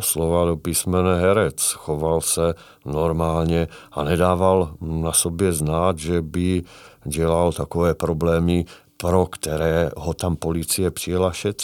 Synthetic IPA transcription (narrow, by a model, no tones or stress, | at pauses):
sloʋad̪opismɛnɛɦɛɾɛt͡sxoʋalsɛ | nɔɾmaːlɲɛanɛd̪aːvalnasobjɛznaːd̪ʒɛbiɟɛlalt̪akɔvɛːpɾɔblɛːmi | pɾokt̪ɛɾɛːɦɔt̪ampolit͡sijɛpr̝̥ijɛlaʃɛt͡s